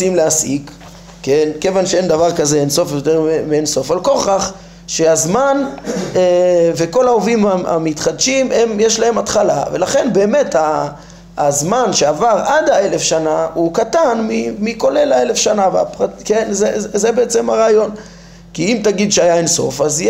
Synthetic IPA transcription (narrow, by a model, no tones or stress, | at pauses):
simleasḭk | kːenkevanʃee̞nd̪avaʁkaze̞enso̞fjot̪eʁmemienso̞falko̞χaχ | ʃe̞azmaneve̞ko̞laovimaa̰mit̪χad̪ʃime̞mjeʃlaɦe̞mat̪χalave̞̰laχe̞nbeːme̞taː | zmanʃeavaʁʔad̪hae̞le̞fʃanaukat̪anmimiko̞le̞lae̞lefʃanavea̰pʁatkenzezebeet͡se̞maʁaːjo̞n | kiimt̪aɡid̪ʃeajaenso̞̰faz